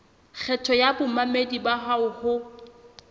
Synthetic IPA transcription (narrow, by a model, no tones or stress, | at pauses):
k͡xʰɛtʰɔjabʊmamedibaɦaʊhʊ